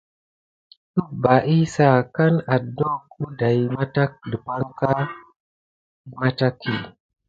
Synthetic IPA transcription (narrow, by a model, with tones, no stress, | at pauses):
tu˦ba˨ʔi˦sa˨ka˦na˨dno˦ku˦da˨jma˦ta˦k̚də˨pa˦ŋka˦ | i˦ma˦ta˦kʰːi˨